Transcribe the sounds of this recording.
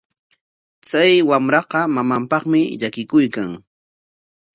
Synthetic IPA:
t͡sajwamɾɑqɑmamampɑχmɪʎakɪkʊjkaŋ

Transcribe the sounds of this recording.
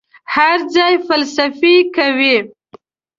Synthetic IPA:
haɾd͡zɑjfalsafikawi

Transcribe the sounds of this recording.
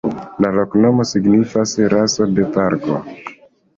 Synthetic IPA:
lalo̞kno̞mo̞siɡnifasɾaso̞de̞paɾɡo

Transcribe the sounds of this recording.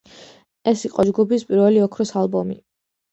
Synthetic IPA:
ɛsiqʼɔd͡ʒɡubispʼiɾvɛliɔkʰɾɔsalˠbɔmḭ

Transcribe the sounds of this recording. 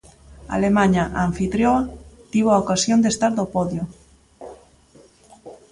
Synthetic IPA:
a̰lemãɲaʔaɱfit̪ɾjoat̪iβoaokasjond̪est̪aɾðopoðjo

